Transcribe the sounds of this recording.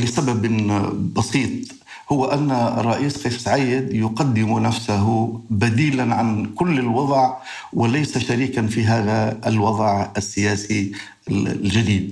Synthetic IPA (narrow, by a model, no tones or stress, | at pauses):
lɪsababbɑsiːt̪̚ˤ | hʊwːaʔanːa̰rˤːɑʔiːsxeːfsʕajːɪd̪jʊqad̪ːɪmunafsaɦʊbad̪iːlanʕankʊlːɪlwɑðˤʕ | wɪlajsaʃaɾiːkanfiɦaːðaɪlwɑðˤʕasːɪjaːsi | ld͡ʒad̪iːd̪̚